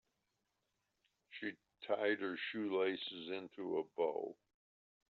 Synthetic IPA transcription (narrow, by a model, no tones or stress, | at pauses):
ʃi | tʰaɪd̚ə˞ʃʉleɪsɨzɪ̃ntʰuəboʊ